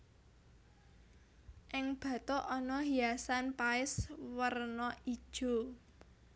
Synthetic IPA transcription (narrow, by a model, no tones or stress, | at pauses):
ʔɪŋb̥ä̤t̪ɔʔɔnɔɦiasanpaɪswərnɔid̥ʒ̥o̤